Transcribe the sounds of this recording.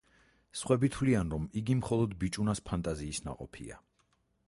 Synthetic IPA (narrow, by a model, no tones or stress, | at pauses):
sχwɛbit̪ʰwlianɾɔmiɡimχɔlˠɔd̪bit͡ʃʼunaspʰant̪ʼaziːsna̰qʼɔ̰pʰḭa̰